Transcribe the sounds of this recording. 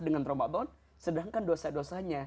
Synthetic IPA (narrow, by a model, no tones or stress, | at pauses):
dəŋant̪ɾombabɔt̪̚ | sədaŋkandosadosaɲa